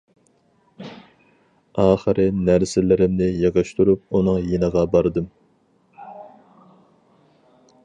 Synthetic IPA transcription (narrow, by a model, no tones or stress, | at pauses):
ɑːχəɾʔɨnæɾsɪlɪɾɪmnɪjɑʁɑʃt̪ʰuɾup̚unɨŋjenəʁɑbɑɾd̪ɨm